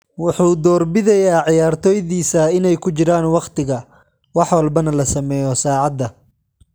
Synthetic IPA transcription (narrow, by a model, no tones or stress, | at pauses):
wʊħuːd̪ɔːrbɪðɛjaːʕɪjaːrt̪ʰɔːjðiːsɐɪnɛjkʰʊt͡ʃɪɾaːnwɑqt̪ɪɣɐ | wɑħwɑlbɐnɐlɐsɐmɛːjɔsaːʕɑd̪ːɐ